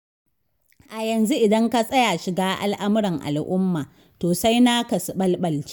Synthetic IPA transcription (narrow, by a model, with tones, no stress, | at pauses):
ʔa˨jɐ˨nzu˦ʔɪ˨dɐ˦ŋka˦sʼɐ˦ja˨ʃɪ˨ɡaː˦ʔa̰˦lʔa˦mɪ˦ɽɐ˨ŋʔa̰˨lʔʊ˦mːaː˨ | toː˨sa˦jna˦kɐ˨sɓɐ˦lɓɐ˨lt͡ʃi̥˦